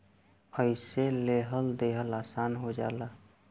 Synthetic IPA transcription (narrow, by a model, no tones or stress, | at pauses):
əɪseleɦəld̪eɦəlasanɦod͡ʒa̰la